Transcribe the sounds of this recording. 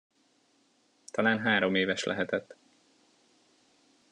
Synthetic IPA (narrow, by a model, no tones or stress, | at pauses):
t̪ʰɒlaːnɦaːɾo̞meːvɛʃlɛ̰ɦɛt̪ɛt̪ː